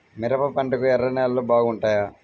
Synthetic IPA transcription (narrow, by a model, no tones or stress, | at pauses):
miɾɐpɐpɐɳʈɐkuɛɾːɐnɛːlːoːbaːɡuɳʈaːjaː